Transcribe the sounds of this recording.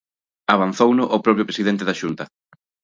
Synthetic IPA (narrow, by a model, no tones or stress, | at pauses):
aβ̞an̟θownʊʔopɾɔpɾjʊpɾesiðent̪eðaʃunt̪ɐ